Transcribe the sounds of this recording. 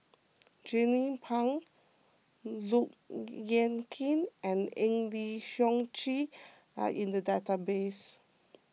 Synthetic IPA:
d͡ʒɛ̃nipʰãŋ | luk̚jɛ̃nkʰĩnʔɛ̃nɛ̃ŋliʃɔ̃ŋt͡ʃi | a̰ʔĩndədatabes

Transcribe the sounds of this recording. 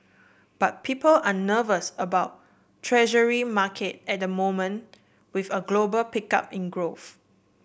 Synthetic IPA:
b̥at̚pʰipəlanəvəsəbaʊt | tʰɹɛʒəɹimakʰet̚ɛt̚dəmõmə̃n | wivəɡlobəlpika̰pĩnɡɹof

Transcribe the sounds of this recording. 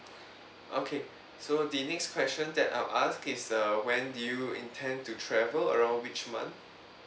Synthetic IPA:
ʔokʰe | sodinɛkskʰwɛst͡ʃə̃ndɛta̰ɪlʔaskɪsʌwɛ̃ndujuḭ̃ntʰɛ̃ntutʰɹɛvələ̰ɹãʊ̃nwit͡ʃmã̰nθ

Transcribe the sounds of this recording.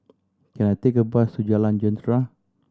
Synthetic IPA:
kanat̪ekəbasud͡ʒaland͡ʒɔnd̪ɾa

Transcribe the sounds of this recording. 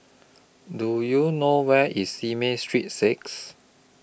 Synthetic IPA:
dujunowɛʔisimestɹit̚seks

